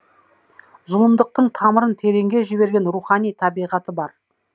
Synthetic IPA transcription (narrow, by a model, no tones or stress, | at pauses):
zʊlˠəmd̪əq̚t̪əɴt̪ʰɑməɾənt̪ʰe̞ɾe̞ŋɡʲe̞ʒɪbe̞ɾɡʲenɾuχɑnijt̪ʰɑbijʁɑt̪əbɑɾ